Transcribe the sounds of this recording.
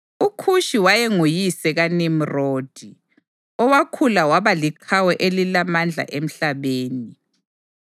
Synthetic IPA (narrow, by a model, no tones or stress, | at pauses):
ukʰuʃiwajɛŋujisɛɣanim̩roːd̥ʱi | ɔwakʰulawaβaliǃʰawɛʔelilamand͡ɮʱa̰ʔem̩ɬaβeːni